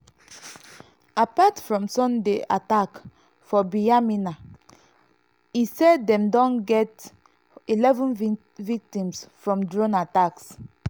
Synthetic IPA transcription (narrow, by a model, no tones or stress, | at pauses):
apatfɹɔ̃msɔ̃ndeʔatak | fɔbiamina | isɛddɛ̃mdɔ̃nɡɛt | ilɛvɔ̃n | vik̚tĩmsfɹɔ̃mdɹõnataks